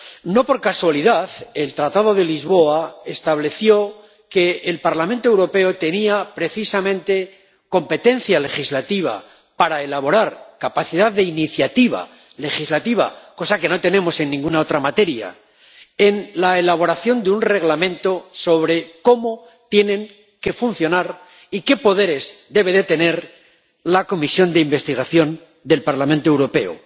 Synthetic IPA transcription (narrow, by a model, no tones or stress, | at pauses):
no̞po̞ɾkaswaliðaθe̞lt̪ɾat̪að̞o̞ðe̞lizβo̞ae̞st̪aβle̞θjo̞ | ke̞ːlpaɾlamẽnt̪o̞ewɾo̞pe̞ot̪e̞niapɾe̞θisamẽ̞nt̪e̞ | ko̞mpe̞t̪e̞n̟θjale̞xizlat̪iβ̞a̰ | paɾae̞laβ̞o̞ɾaɾkapaθiðaððe̞iniθjat̪iβa̰ | le̞xizlat̪iβ̞a̰ko̞sake̞no̞t̪e̞nẽ̞mo̞se̞nːĩŋɡunao̞t̪ɾamat̪e̞ɾja̰ | e̞nlaelaβ̞o̞ɾaθjo̞nd̪eunre̞ɣlamẽ̞nt̪o̞so̞βɾe̞ko̞mo̞ | t̪je̞nẽ̞ŋ | ke̞funθjo̞naɾ | ike̞po̞ð̞e̞ɾe̞zd̪e̞βe̞ðe̞t̪e̞ne̞ɾ | lako̞misjo̞nd̪eimbe̞st̪iɣ̞aθjo̞n | d̪e̞lpaɾlamẽnt̪oewɾo̞pe̞̰o̰